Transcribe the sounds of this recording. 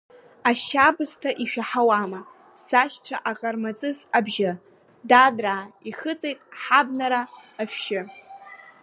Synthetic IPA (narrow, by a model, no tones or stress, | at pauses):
aʃabɨztʰaʔiʃᶣaħawama | saʃt͡ʃʷʰaʔaqʼarmat͡sʼɨzabʒɪ | dadraiχɨt͡sʼejtʼħabnaɾaːfᶣʃɪ